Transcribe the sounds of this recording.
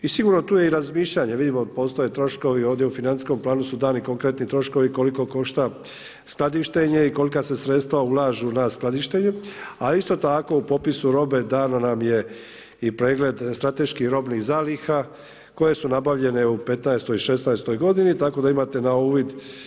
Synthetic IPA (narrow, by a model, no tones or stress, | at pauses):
isiɡuɾno̞t̪uːjeiɾazmiːʃʎaɲeʋid̪imo̞po̞ːst̪oje̞t̪ɾo̞ʃko̞ʋio̞ːʋvd̪jeufinansi̥sko̞mplˠaːnusud̪aːniko̞ŋkɾe̞t̪nit̪ɾo̞ʃko̞ʋiko̞liko̞ko̞ʃt̪a | sklˠad̪iʃt̪e̞ɲeiko̞likase̞sɾe̞t̪st̪ʋaulaːʒunasklad̪iʃt̪e̞ɲuaist̪o̞t̪ako̞upo̞pisuɾo̞be̞d̪aːnanamje̞ | ipɾeːɡle̞d̪st̪ɾat̪e̞ʃkixɾo̞bnixzaːlixa | ko̞je̞sunabaʋʎe̞ne̞upe̞t̪naest̪o̞jiʃe̞snaest̪o̞jɡo̞d̪init̪ako̞d̪aimat̪e̞nauːʋid̪